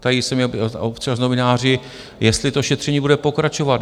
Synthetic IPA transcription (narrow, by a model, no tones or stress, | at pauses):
t̪ajɪsɛmjɛop̪t͡ʃaznovɪnaːr̝ɪ | jɛst̪lɪt̪oʃɛt̪r̥ɛɲiːbudɛpo̞kɾat͡ʃo̞vat̪